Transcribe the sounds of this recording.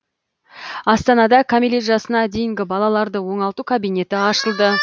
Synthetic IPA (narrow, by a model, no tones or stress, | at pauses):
ɑst̪ɑnɑd̪ɑkʰamilʲet̪ʒɑsənɑd̪e̞jɪŋɡʲɪbɑlˠɑlˠɑɾd̪əwo̞ɴɑlˠt̪ukʰabijne̞t̪ɪɑʃəlˠd̪ə